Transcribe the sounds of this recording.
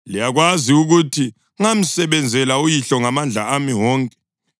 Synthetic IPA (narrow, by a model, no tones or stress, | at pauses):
lijaɣwaziuɣutʰi | ŋam̩sɛβɛnd͡zʱɛlaujiɬɔŋamand͡ɮʱa̰amiwɔːŋkʼɛ̥